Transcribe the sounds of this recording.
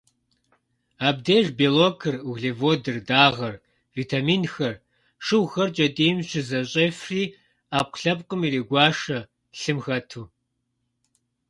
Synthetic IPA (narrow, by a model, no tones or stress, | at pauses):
aːb̚deːʒbeːloːkʰɨruɣɮeːvoːdɨrdaːʁɐr | viːtʰaːmiːnxɐr | ʂɨwxɐrt͡ʃʼɐdiːmɕɪzɐɕʼeːfriː | aːp̚ʷɬɐp̚qʼəmiɾeːɡʷɑːʂɐ | ɬɨmxɐtʰuː